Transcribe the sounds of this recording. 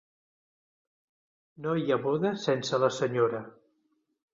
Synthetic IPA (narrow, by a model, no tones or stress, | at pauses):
nojəβoðəsɛnsələsəɲoɾə